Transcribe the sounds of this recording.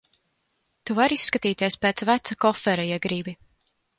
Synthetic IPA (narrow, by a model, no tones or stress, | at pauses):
t̪uvaɾisːkat̪iːt̪iɛspeːt̪svæt̪sakɔfɛɾajɛɡɾibi